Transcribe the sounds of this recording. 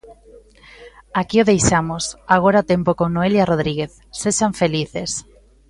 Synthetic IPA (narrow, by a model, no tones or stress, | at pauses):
akioðejʃamosaɣ̞oɾaot̪empokoŋnoeljaroð̞ɾiɣ̞eθ | seʃaɱfeliθes